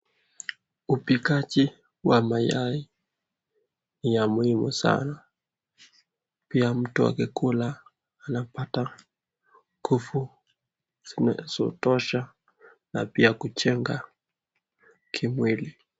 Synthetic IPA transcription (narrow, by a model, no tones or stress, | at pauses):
upikat͡ʃi | wamajai | nijamuhimṵsa̰na | piam̩tua̰kikulaː | napata | kufu | z̥inazɔ̰tɔʃa | na̰piakut͡ʃɛŋɡa | kʰimwili